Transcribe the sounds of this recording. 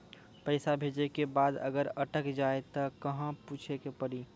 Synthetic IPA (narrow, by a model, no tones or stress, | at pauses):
pɛɪsabʱeːd͡ʒekebaːd̪ə̰ɡəɾəʈəkd͡ʒaːet̪əkɐɦãpuːt͡ʃʰekepəɽi